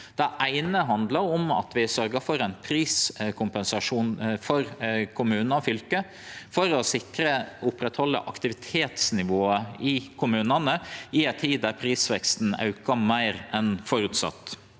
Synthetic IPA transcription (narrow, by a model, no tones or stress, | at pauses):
d̪̥ɛʔæɪnəɦɑnd̪ləɾɔmɑ̰t̪ʋɪsœɾɡəfɔɾæɪnpʰɾiːskʰʊmpɛnsɑʂuːnfɔɾkʰʊmʉːnnɑfʏlkə | fɔɾɔsɪkɾəʊpːɾɛt̪hɔlːə̰ʔɑkt̪ɪʋɪt̪ʰeːt̪snɪʋoːəɪkʰʊmʉːnənəɪæɪt̪ʰiːd̪dæɾpʰɾiːsʋɛkst̪n̩ɑ̰ʉkɑmæɪɾɛnfɔɾʉt̪sɑ̰t̪ː